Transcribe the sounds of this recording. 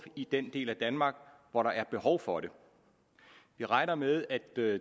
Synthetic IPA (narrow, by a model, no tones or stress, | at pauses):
id̥end̥e̝̰ːlæd̥ænmɑ̈ːɡ̥ʋɒɾɑ̈ʔæɐb̥e̝hɒʊfɒ̽ɾe̝ | ʋiʁɑ̈ɪnɐmeðˠæd̥